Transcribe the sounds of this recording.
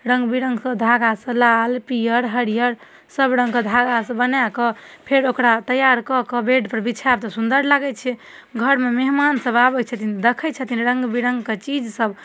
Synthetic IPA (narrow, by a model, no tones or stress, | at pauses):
ɾə̃ŋɡbiɾə̃ŋɡsəd̪ʱaɡasə̃lalpijəɾɦəɽijəɾ | səbɾə̃ŋɡkəd̪ʱaɡasə̃bənakəpʰeɾokɾat̪əjaɾkɔkəbeɖpəɾbit͡ʃʰab̚t̪ɔsund̪əɾlaɡɛt͡ʃʰɛ | ɡʱəɾmemeɦmansəbabɛt͡ʃʰət̪ind̪ekʰɛt͡ʃʰət̪inɾəŋɡbiɾə̃ŋɡket͡ʃid͡ʒsəb